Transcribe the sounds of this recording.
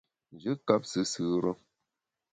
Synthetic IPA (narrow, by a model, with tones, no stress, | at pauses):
n˨d͡ʒɨ˦ka˦p̚sɨ˨˦sɨː˦ɾə˦